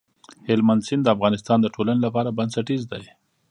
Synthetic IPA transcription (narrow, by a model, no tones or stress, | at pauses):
hɪlmand̪sɪnd̪əafɣɑnɪst̪ɑnd̪əʈʰolanelapɑɾabansaʈizd̪aj